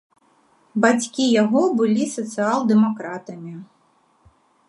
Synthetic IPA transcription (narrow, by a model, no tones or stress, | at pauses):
bat͡sʲkʲijaɣɔbɨlʲisɐt̪sɨalˠd̪ɛmakɾat̪ɐmʲi